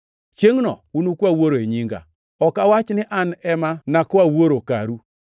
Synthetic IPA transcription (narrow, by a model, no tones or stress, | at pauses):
t͡ʃeŋnɔ̰unukawoɾoeɲiŋɡa̰ | ɔkawat͡ʃnɪʔanɛmanakɔawoɾokaɾu